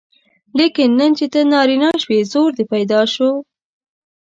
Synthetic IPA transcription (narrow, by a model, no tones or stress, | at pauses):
lekɪnːənt͡ʃet̪ənɑɾinɑʃwezoɾd̪epajd̪ɑʃo